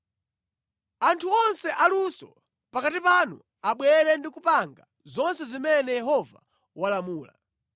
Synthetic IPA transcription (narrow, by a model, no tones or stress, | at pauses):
antʰuɔnsɛʔalusɔ | pakatipanṵ | aɓwɛɾɛndikupaŋɡa | zɔnsɛzimɛnɛjɛɦɔva̰ | walamuːla̰